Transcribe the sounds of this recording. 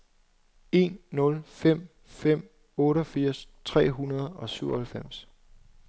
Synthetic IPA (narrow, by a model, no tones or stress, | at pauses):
e̝̰ːnːɔ̽lfem̰ | fem̰ | ɔ̽ːɾəɒfiɐ̰st͡sʰʁɛ̰ːɦunɐð̞ˠɒ̽syʊ̰ɒhælfem̰s